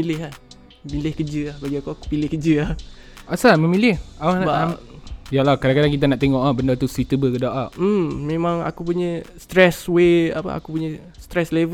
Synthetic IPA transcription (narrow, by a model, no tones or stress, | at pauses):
ilɪɦah | milɪhkəd͡ʒəahbaɡiakopilɪhkəd͡ʒəah | asaməmilɪhawaba | jalahkadaŋkadaŋkit̪̬anaʔt̪eŋɔʔahbəndat̪usit̪əbəkədaʔaʔm̩mẽmãŋa̰kup̬uɲəst̪ɾɛswea̰pə̰a̰kupuɲə | st̪ɾɛslev